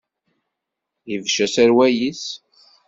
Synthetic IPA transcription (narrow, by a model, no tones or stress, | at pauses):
jivʃæsæɾwæjis